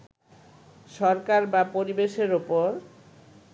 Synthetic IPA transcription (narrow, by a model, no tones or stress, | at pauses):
ʃɔɾkaɾbapoɾibeʃeɾopoɾ